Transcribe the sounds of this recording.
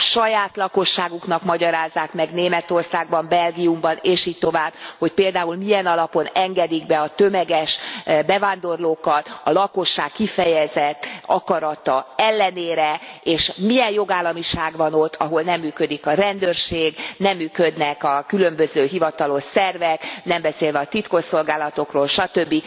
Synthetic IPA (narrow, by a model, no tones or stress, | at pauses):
ʃɒjaːt̪lɒko̞ʃːaːɡuknɒkmɒɟɒɾaːzːaːkmɛɡneːmɛt̪o̞rsaːɡ̚bɒmbɛlɡiumbɒneːʃiːc̚t̪o̞vaːbho̞cpeːld̪aːulmiɛnɒlɒpo̞nɛŋɡɛd̪iɡ̚bɛɒt̪ø̞mɛɡɛʃbɛvaːnd̪o̞rloːkɒt̪ɒlɒko̞ʃːaːkːifɛjɛzɛt̪ːɒkɒɾɒt̪ɒɛlːɛneːɾɛeːʃmijɛnjo̞ɡaːlːɒmiʃaːɡʋɒno̞t̪ːɒɦo̞lnɛmːyːkø̞d̪ikɒɾɛnd̪øːrʃeːɡnɛmːyːkød̪nɛkɒkylø̞mbøzøːɦivɒt̪ɒlo̞ʃsɛrvɛknɛmbɛseːlvɛɒt̪it̪koʃo̞lɡaːlɒt̪o̞kroːlʃɒt̪ø̞bːi